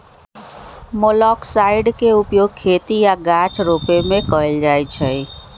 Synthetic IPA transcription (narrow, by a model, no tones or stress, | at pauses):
molɔksaɪiɖkeupjoɡ̚kʰːet̪ijaɡat͡ʃʰɾopemekəeld͡ʒajt͡ʃʰəj